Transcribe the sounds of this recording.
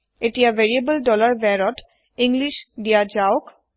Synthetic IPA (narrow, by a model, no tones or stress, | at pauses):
etijaveɹiebəlɖɔlaɹbɛɹɔt | iŋɡliʃdijad͡ʒaʊk